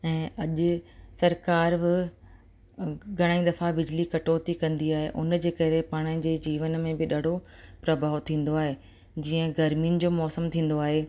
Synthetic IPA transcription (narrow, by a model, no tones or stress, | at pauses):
ɛ̃ːɐʄʊsɐɾkaːɾbɪ | ɡʱɐɽ̃aːĩd̪ɐfabɪd͡ʑlikɐʈoːt̪ikɐ̃nd̪iaːɦeʔʊnd͡ʑeːkɐɾepaːɽ̃ɪd͡ʑeːd͡ʑiːʋənmẽbɪɗaːɽ̤ʱopɾɐbʱaːot̪ʰĩːn̆d̪oaːɦeː | d͡ʑiːə̃ɡɐɾmiʊnɪ̆d͡ʑoːmɔːsəmt̪ʰĩːn̆d̪oaːɦeː